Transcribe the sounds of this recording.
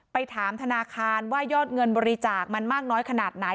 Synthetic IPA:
pa˧jt̪ʰaː˩˦mt̪ʰa˧naː˧kʰaː˧nwaː˥˩jɔː˥˩t̪̚ŋɤ˧nbɔː˧ɾi˧t͡ɕaː˨˩k̚ma˧nmaː˥˩k̚nɔː˦˥jkʰa˧naː˨˩t̪̚na˩˦

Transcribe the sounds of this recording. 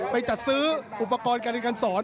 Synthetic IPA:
pa˧jt͡ɕa˨˩t̪̚sɯː˦˥ʔu˨˩pːa˧kɔː˧nkaː˧n˧ka˧nsɔː˩˦n

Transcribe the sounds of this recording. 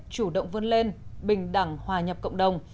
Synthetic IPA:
t͡ɕu˧˩ɗə̰˧˨wŋ͡mvə˧nle˧nɓï˨˩ŋ̟ɗa˧˩ŋhwaː˨˩ɲə˨˩p̚kə̰˧˨wŋ͡mɗə˨˩wŋ͡m

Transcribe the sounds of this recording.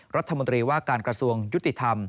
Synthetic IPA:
ɾa˦˥t̪ʰːa˧mo˧nt̪ɾiː˧waː˥˩kaː˧nkɾa˧su˧əŋju˦˥t̪ːi˨˩t̪ʰa˧m

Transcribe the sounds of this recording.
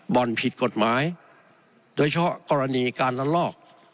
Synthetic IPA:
bɔ˨˩npʰi˨˩t̪̚ko˨˩t̪̚maː˨˦˥j | doː˧jt͡ɕʰa˧pʰɔ˦˥ʔkɔː˧ɾa˧niː˧kaː˧nla˧˥lɔː˥˩k̚

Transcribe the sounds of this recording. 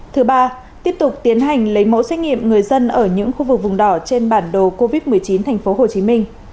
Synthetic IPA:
t̪ʰɨ˨˦ɓaː˧ | t̪i˦˥əp̚t̪ʊ˨˩k͡p̚t̪i˨˦ənɦa˨˩jŋ̟lə˨˦jmo̰˧˥swɛ˦˥k̚ŋḭ˧˨əmŋɨ˨˩əjzə˧nʔəː˧˩ɲɨ̰˧˥ŋxu˧vɨ˨˩k̚vʊ˨˩ŋ͡mɗɔ˧˩t͡ɕe˧nɓaː˧˩nɗo˨˩ko˧vi˦˥t̚mɨ˨˩əjt͡ɕi˨˦nt̪ʰa˨˩jŋ̟fo˨˦ɦo˨˩t͡ɕi˨˦mï˧ŋ̟

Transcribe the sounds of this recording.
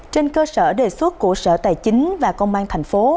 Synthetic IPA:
t͡ɕe˧nkəː˧sə̰ː˧˩ɗe˨˩swə˦˥t̚ku˧˩əsə̰ː˧˩t̪a̰ː˧˨jt͡ɕï˨˦ŋ̟vaː˨˩kə˧wŋ͡mɓaː˧nt̪ʰɛ˨˩jŋ̟fo˨˦

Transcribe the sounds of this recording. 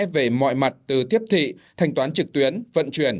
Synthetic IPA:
ve˧˩mɔ̰˧˨jma˨˩t̚t̪ɨ˨˩t̪ʰi˦˥əp̚t̪ʰḭ˧˨t̪ʰa˨˧˩jŋ̟t̪waː˨˦nt͡ɕɨ˨˩k̚t̪wi˨˦ənvə̰˧˨nt͡ɕwi˧˩ən

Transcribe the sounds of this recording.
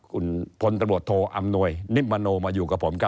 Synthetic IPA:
kʰu˧npʰo˧nt̪a˧ŋɾu˨˩ət̪ʰːoː˧ʔa˧mnu˧˩əjni˦˥p̚maː˧noː˧maː˧juː˨˩kaː˨˩pʰoː˨˩˦mka˧

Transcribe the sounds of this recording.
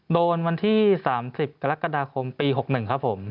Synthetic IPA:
doː˧nwa˧nt̪ʰiː˥˩saː˩˦msi˨˩p̚ka˧ɾa˦˥kːa˧daː˧kʰo˧mpiː˧ɦo˨˩k̚nɯ˨˩ŋkʰa˦˥pʰːo˩˦m

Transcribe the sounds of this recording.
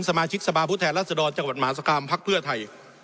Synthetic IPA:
nsa˧maː˧t͡ɕʰi˦˥k̚sa˧pʰaː˧pʰuː˥˩t̪ʰɛː˧nlaː˥˩t̪̚sa˧dɔː˧nt͡ɕa˧ŋwa˨˩maː˩˦˥s̬a˧kʰaː˧mpʰa˦˥k̚pʰɯ˥˩ɐt̪ʰa˧j

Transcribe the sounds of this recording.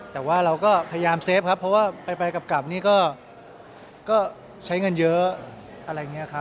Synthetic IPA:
t̪ɛː˨˩waː˥˩ɾa˧wkɔː˥˩pʰa˧ja˧jaː˧mseː˦˥p̚kʰa˦˥pʰːɔ˦˥waː˥˩pa˧jpa˧jka˨˩p̚ka˨˩p̚niː˥˩kɔː˥˩ | kɔː˥˩ | t͡ɕʰa˦˥jŋɤ˧njɤ˦˥ | ʔa˧ɾa˧ja˨ŋi˦˥ɐ˨˩kʰa˦˥p̚

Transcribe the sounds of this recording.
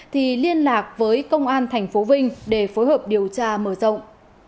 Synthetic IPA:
t̪ʰi˨˩li˧ənlaː˨˩k̚vəː˨˦jkə˧wŋ͡mʔaː˧nt̪ʰɛ˨˩jŋ̟fo˨˦vï˧ŋ̟ɗe˧˩fo˨˦jɦəː˨˩p̚ɗi˨˩əwt͡ɕaː˧məː˧˩zə̰˧˨wŋ͡m

